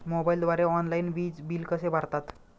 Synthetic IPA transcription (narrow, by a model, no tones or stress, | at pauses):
mobaild̪ʋaɾeɔnlainbiːd͡zbiːlkəsebaɾt̪at̪